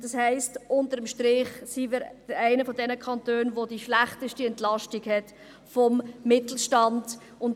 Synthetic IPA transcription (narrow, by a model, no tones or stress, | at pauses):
d̥ɑshɛɪstʔʊntəɾəmʃtɾɪχsimɪɾ̥əæɪnəfɔdɛnəkʰɑntøːnʋodiʃlæχtəʃtiɛntlɑʃtiɡhɛt | fɔmːɪtl̩ʃtɑnd̥ | ʊnt